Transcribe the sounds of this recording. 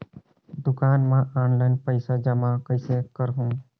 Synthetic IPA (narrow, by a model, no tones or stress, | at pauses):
d̪ʊkaːnmãʔanlaɪnpəɪsad͡ʒəmakəɪsekəɾɦũː